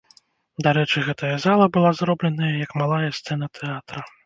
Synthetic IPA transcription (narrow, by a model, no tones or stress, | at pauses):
d̪aɾɛt͡ʂɨɣɛt̪ɐjɐzalˠɐbɨlˠazɾɔblʲɛnɐjɐjɐkmalˠajɐst̪sɛnɐt̪ʰɛat̪ɾɐ